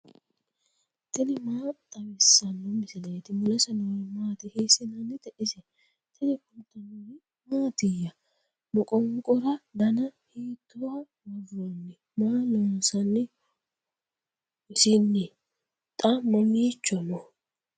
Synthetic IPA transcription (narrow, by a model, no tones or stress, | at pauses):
t̪ɛnɪmaːt̪ʼɐwɛsːɐnːɔmɪsɪleːt̪ɪmʊlɛsɐnɔɪmaːt̪ɪheːsɪnɐnːɪt̪ɛʔɪsɛ | t̪ʰɛnɪkʊt̪ːɐnɔɪ | maːt̪ɪjːɐ | mɔkʼɔŋkʼɔɾɐd̪ɐnɐheːt̪ːʊwɐ | nɐvɔnːɪ | maːloːnsɐnːɪ | ʊsɪnːɪ | t̪ʼamːɐmiːt͡ʃːɔnɔ